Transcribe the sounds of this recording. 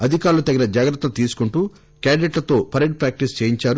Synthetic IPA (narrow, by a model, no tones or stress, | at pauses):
ɐd̪ʱikaːɾulɐt̪ɐɡinɐd͡ʒaːɡɾɐt̪ːɐlut̪iːsu̥kuɳʈuː | kaːɖineʈlɐt̪o̞ːpʰɐɾeɳʈ̚pɾaːk̚ʈist͡ʃeːjiɲt͡ʃaːɾu